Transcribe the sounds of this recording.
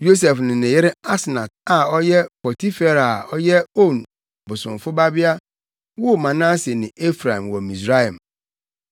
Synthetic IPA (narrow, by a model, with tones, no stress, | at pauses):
jo˦s̬ɛ˨fnɪ̃˨nɪ̃˨jɪ˦ɾɪ˦a˦snã˨t̚a˨ɔ˦jɛ˦pɔ˨tʰi˦fe˦˨ɾa˨ɔ˦jɛ˦o˦˨n | bʊ˨sʊ̃˨ɱ˨fʊ˦ba˦bɪ˦a˦ | wo˦˨mã˨nã˦se˨nɪ̃˨ʔe˦fɾa˨ĩ˨m˨wɔ˨mĩ˨sɾa˦jã˨m